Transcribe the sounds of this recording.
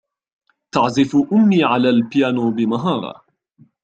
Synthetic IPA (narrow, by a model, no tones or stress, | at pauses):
t̪ɑʕzɪfʔʊmːiːʕalaːlpjaːnuːbɪmaɦɑːɾˤɑ̰